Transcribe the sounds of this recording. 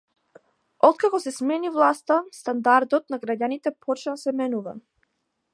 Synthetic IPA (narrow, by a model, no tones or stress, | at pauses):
ɔt̪̚kakɔsɛsmɛnivlˠast̪ast̪and̪aɾd̪ɔt̪naɡɾaɟanit̪ɛpʰɔt͡ʃnasɛmɛnuva̰